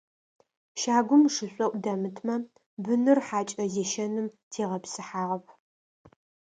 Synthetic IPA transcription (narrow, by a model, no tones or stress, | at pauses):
ʃaːɡʷʊmʂɨɕʷʼɔʔʷdɐmɨtʰmɐ | bɨnɨrħaːt͡ʃʼɐzeʃɐnɨmtʰeːʁɐpsɨħaːʁɐpʰ